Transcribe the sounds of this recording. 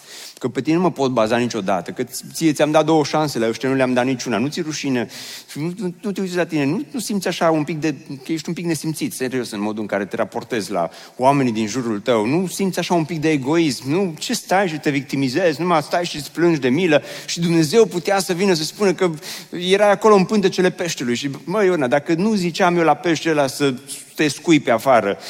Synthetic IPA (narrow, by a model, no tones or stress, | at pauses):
kəpet̪inenuməpo̞t̪̚bazanit͡ʃo̞d̪a̰t̪əkət̪siet̪siamd̪at̪̚d̪o̞wəʃanselaoʃt̪anuleamd̪at̪nit͡ʃunanut̪siɾuʃineinununut̪eut̪sʲlat̪ine̞nunusimt̪sʲaʃaumpik̚d̪e̞kəjeʃt̪ʲumpikne̞simt̪sit̪senɾeosɨnmo̞d̪uɨŋkaɾe̞t̪eɾʔapo̞rt̪e̞zʲla̰ | oame̞nid̪inʒuɾult̪əwnusimt̪sʲaʃaumpik̚d̪eːɡo̞ismnut͡ʃe̞st̪ajʃ̬it̪e̞vik̚t̪imize̞znumast̪ajʃisplɨnd͡ʒd̪e̞miləʃid̪umne̞ze̞wput̪easəvinəs̬əspunəkəje̞ɾajako̞loɨmpɨnt̪ət͡ʃe̞le̞pe̞ʃt̪elujʃiməjonad̪akənuzit͡ʃeamjewlapeʃt̪elasət̪e̞skujpe̞afaɾə